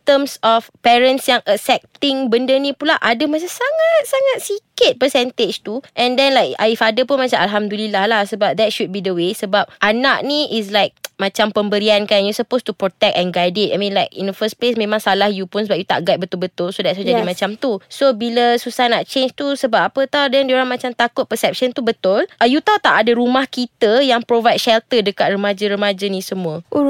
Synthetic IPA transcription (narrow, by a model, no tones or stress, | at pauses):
t̪əmsɔfpɛɾə̃nsjaŋʔəsɛk̚t̪ɪ̃ŋbəndənĩpulaʔadəmas̬asaŋat̪̚saŋat̪̚sikət̪̚pəsɛnt̪et͡ʃt̪uʔɛ̃ndɛ̃nlajka̰ifadəpunmat͡ʃaalɦamd̪ulilahlahsəbap̚d̪ɛt̚ʃut̚bidəwesəbap̚ʔanaʔ̚niʔis̬lajk̚mãt͡ʃampəmbəɾiankanjusəpost̪upɾot̪ɛk̚tɛ̃nɡajdɪt̚ʔajmĩnlajkḭndəfəsplesmẽmãŋsalahjupunsəbap̚jut̪a̰ʔɡat̪̚bət̪ʊlbət̪ʊlsodɛtsod͡ʒadimãt͡ʃamt̪usobiləsusahnaʔ̚t͡ʃend͡ʒt̪usəbap̚apət̪awdɛndioɾaŋmãt͡ʃamt̪akʊt̪̚pəsɛp̚ʃənt̪ubət̪ʊlʔəjut̪awt̪aʔadəɾumahkit̪əjaŋpɾovajd̚ʃɛlt̪ədəkat̪̚rəmad͡ʒəɾəmad͡ʒənĩsəmũə